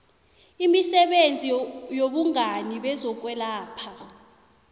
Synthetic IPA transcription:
imisɛɓend͡zʱijoɓuŋaniɓɛzɔk̬ʼwɛlaːpʰa

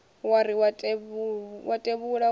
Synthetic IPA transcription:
waɾiwatʼeβwatʼeβuɺa

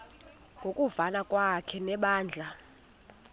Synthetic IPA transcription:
ŋɡʱokʼuvanakʼwakʰɛnɛɓaːnd͡ɮʱa

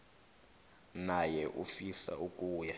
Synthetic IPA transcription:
najɛʔufisa̰uk̬ʼuːja

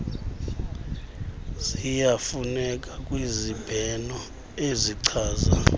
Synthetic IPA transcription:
z̥ijafunɛk̬ʼakʼwizib̥ʱɛnɔ | eziǀʰaːza̰

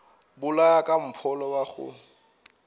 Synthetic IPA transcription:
bʊlajakʼam̩pʰɔlɔwaɣʊ̰

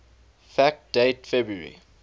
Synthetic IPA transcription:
fæk̚d̥etfɛbɹəɹḭ

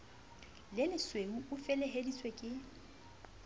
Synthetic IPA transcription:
lɪlɪsweŋuʊfɛlɛɦedisʼwekʼɪ

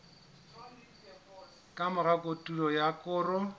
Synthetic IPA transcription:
kʼamʊɣakʼotʼulɔjakʼʊːrʊ

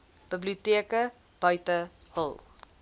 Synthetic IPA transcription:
b̥əbliutiəkə | b̥ɐjtəhə̰lˠ

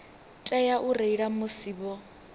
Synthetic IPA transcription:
tʼɛjaʔureiɺamʊsiːbɔ

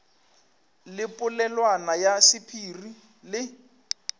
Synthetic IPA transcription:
lɪpʼʊlɛlwanajasɪpʰiːri | lɪ

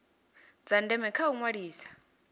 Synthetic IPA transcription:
d͡zandɛmɛkʰauŋwaɺiːsḁ

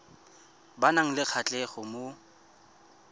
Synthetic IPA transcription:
banaŋ̩lɪk͡xʰat͡ɬʼɛχʊmo

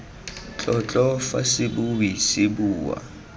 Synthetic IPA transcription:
t͡ɬʼɔt͡ɬʼɔfa̰sɪbuwisɪbuːwa̰

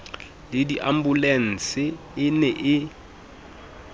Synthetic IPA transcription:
lɪdiʔam̩bulen̩t͡sɪ | ɪnɛʔɪ

